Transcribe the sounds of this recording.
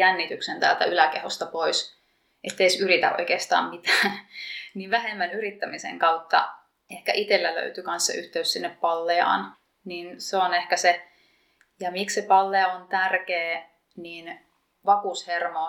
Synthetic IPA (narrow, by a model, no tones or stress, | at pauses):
jænːit̪yksent̪æːlt̪æ̰ylækehost̪ɑpois | ʔet̪ːeisyɾit̪æ̰ʔo̰ikeːst̪ɑ̰ːmmit̪æːnniːʋʋæɦemːænyɾit̪ːæmisḛŋkɑut̪ːɑ̰ | ehkæ̰ʔit̪elːælø̰yt̪ykɑnsːḛʔyht̪eyssinːeppɑlːeɑ̰ːn | ninseonehkæse | jɑmikssepɑlːeɑont̪ærkeː | niːn | ʋɑkushermɑ